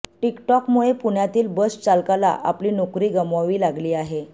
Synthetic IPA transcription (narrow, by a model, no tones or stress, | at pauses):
ʈikʈɔkmuɭepuɳjat̪iːlbəst͡salkala̰ʔa̰pliːnokɾiːɡəmaʋiːlaɡliːaɦe